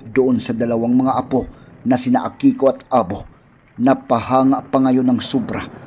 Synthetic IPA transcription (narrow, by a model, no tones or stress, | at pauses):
d̪ʊʔonsɐd̪ɐlɐwaŋmɐŋaʔɐponɐsɪnaʔakiːkoɐt̪ʔaːbo̞ | nɐpahaːŋaʔpɐŋɐjonɐŋsobɾa